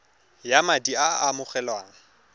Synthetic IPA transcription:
jamadiaamʊχɛlwaːŋ̩

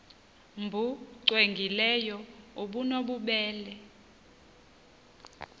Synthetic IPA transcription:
mbʱuǀweŋɡʱilɛjɔuɓunoɓuɓɛːlɛ

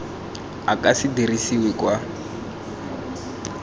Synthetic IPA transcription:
akʼasidirisiwɛkwa

